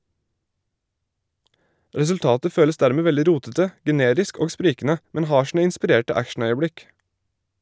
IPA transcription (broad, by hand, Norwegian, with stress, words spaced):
ɾɛsʉlˈtɑːtə ˈføːləs ˈdæːɾmeː ˈʋɛldɪ ˈɾuːtətə ɡɛˈneːɾɪsk ˈoːɡ ˈspɾiːkn̩ə ˈmɛn ˈhɑː ˈʃɳ̩ə ɪnspɪˈɾeːʈə ˈækʃɳ̩ˌœʏəˌbɽɪk